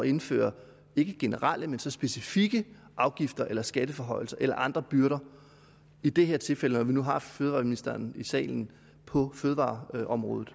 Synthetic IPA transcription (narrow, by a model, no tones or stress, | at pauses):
ɒe̝nfø̰ːɐ | e̝ɡ̥əɡ̥e̝nəʁɑl̰əmensɒ̽sb̥e̝sifiɡ̥ə | ʔɑ̈ʊɡ̥ifd̥ɐʔelɐsɡ̥æd̥əfɒ̽ɦɒ̽ɪ̰l̩sɐʔelɐ̰ʔɑ̈nd̥ʁɐb̥yɐɾɐ | id̥e̝ɦeɐt͡sʰe̝lfel̰ənɒʋinuɦɑ̈føːð̞ˠʋɑ̈ːminisd̥ɐːnisɛ̰ːln̩ | pʰɒ̽føːðˠʋɑ̰̈ːɒ̽mʁɔ̽ːð̩ˠ